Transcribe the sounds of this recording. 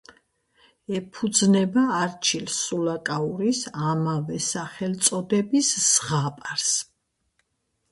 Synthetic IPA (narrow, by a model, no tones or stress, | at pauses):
ɛpʰud̪znɛbaːɾt͡ʃʰilsulakʼauɾisamavɛsaχɛlt̪sʼɔd̪ɛbisːʁapʼaɾs